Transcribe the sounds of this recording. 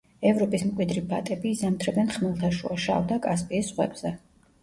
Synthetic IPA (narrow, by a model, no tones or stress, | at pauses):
ɛvɾɔpʼismkʼwid̪ɾibat̪ʼɛbiːzamt̪ʰɾɛbɛnχmɛlˠt̪ʰaʃṵaʃa̰vd̪akʼaspʼiːsʁwɛ̰bz̥ɛ